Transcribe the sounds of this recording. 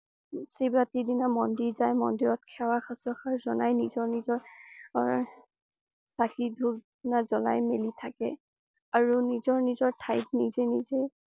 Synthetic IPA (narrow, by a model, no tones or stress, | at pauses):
sibɹatidinamɔndiɹzajmɔndiɹɔt̚kʰɛwaxasɔxaɹzɔnajnizɔɹnizɔɹ | sakidʱuɹ | nazɔla̰jmelitʰakɛ̰ | aɹunizɔɹnizɔɹtʰajp̚nizɛnize